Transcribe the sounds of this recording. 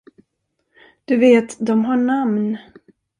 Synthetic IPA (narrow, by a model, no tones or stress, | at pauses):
d̪̥ɵveːt̪d̪ɔmɦaɳamn